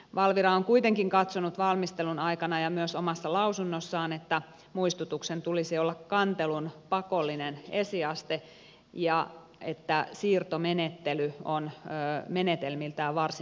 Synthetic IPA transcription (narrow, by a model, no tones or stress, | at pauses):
ʋɑlʋiɾɑoŋkuit̪eŋkiŋkɑt̪sonut̪ʋɑlmist̪elunɑikɑnɑjɑmyøsomɑsːɑlɑusunːosːɑːnet̪ːæ | muist̪ut̪uksent̪ulisiolːɑkkɑnt̪elunpɑkolːinenesiɑst̪e | jɑ | et̪ːæsiːrt̪omenet̪ːelyonːmenet̪elmilt̪æɑʋɑrsi